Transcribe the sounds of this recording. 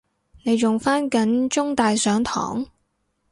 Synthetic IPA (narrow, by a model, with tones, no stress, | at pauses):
ne˨˧jjʊ˨ŋfaː˥nkɐ˨˥nt͡ʃʊ˥ŋt̪aː˨jsœː˨˥ŋt̪ʰɔ̰ː˨˥ŋ